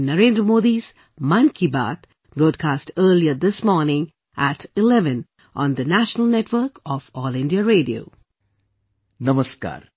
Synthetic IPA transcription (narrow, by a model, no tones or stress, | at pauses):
nəɾẽːnd̪ɾəmoːd̪is | mãnkʰiba̰ːt̪ | bɾoːɖ̚kʰaːsʈəːɾliəd̪ɪsmɔːɾnɪ̃ŋ | ʔæʈɪlɛʋə̃n | ʔɔ̰̃ːnd̪ənæʃənəlneʈʋəɾkɔfɔːlɪ̃nɖiaɾeːɖio̰ː | nɐməska̰ːɾ